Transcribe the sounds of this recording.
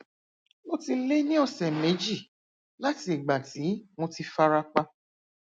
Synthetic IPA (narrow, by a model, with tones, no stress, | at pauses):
mo˦ti˧le˦nĩ˦ɔ˧sɛ˨me˨˦d͡ʒi˦˨ | la˦ti˧˦i˨ɡ͡ba˨ti˨˦mõ˧ti˧fa˧ɾa˧k͡pa˧